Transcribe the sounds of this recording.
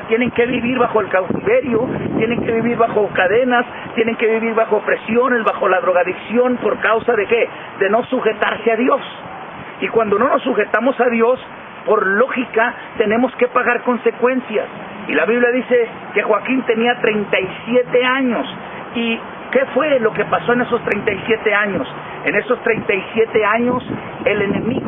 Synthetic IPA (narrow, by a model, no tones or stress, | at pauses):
t̪jene̞ŋke̞βiβiɾβaxo̞elkawt̪iβe̞ɾjo̞t̪je̞nẽ̞ŋke̞βiβiɾβaxo̞kaðe̞nas | t̪je̞ne̞ŋke̞βiβiɾβaxo̞pɾe̞sjo̞nesβaxo̞laðɾo̞ɣaðiksjo̞npo̞ɾkawsaðe̞ke̞ | d̪e̞no̞suxe̞t̪aɾseaðjos | ikwand̪o̞no̞no̞sːuxe̞t̪amo̞saðjo̞s | po̞ɾlo̞xika | t̪e̞nẽ̞mo̞ske̞paɣaɾko̞nse̞kwe̞nsjas | ilaβiβljaðise̞ | ke̞xwakint̪e̞niat̪ɾe̞jnt̪aisje̞t̪e̞aɲo̞s | i | ke̞fwe̞lo̞ke̞paso̞e̞ne̞s̬o̞st̪ɾejnt̪ajsje̞t̪e̞aɲo̞s | e̞ne̞so̞st̪ɾe̞jnt̪ajsje̞t̪e̞aɲo̞s | e̞le̞ne̞miɣ